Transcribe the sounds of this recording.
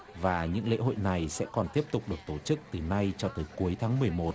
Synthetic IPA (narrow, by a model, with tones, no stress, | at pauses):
vaː˨˩ɲɨ̰˧˥ŋlḛ˧˥ɦo̰˧˨jna˨˩jsɛ̰˧˥kɔ˨˩nt̪i˦˥əp̚t̪ʊ˨˩k͡p̚ɗɨ˨˩ək̚t̪o˧˩t͡ɕɨ˦˥k̚t̪ɨ˨˩na˧jt͡ɕɔ˧t̪əː˨˦jku˨˦əjt̪ʰaː˨˦ŋmɨ˨˩əjmo˨˩t̚